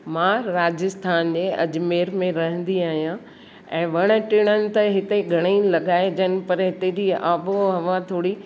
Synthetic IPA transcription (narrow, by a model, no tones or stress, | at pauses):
mãɾaːd͡ʑəst̪ʰaːnd͡ʑeːɐd͡ʑmeːɾmẽɾɐɦə̃nd̪iaːɦijã | ɛ̃ːʋɐɽ̃ə̆ʈɪɽ̃ənɪ̆t̪ɐɦɪt̪eɡʱɐɽ̃əiːlɐɡaːed͡ʑənɪ̆pɐɾɦɪt̪ed͡ʑiaːʋoɦɐʋãt̪ʰoːɽi